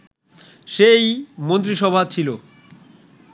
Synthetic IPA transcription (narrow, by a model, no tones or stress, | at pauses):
ʃejmont̪ɾiʃɔbʱat͡ɕʰilo